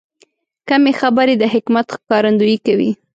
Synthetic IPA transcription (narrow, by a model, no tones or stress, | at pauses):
kamexabəɾed̪əɦɪkmat̪kɑɾand̪ujikawḭ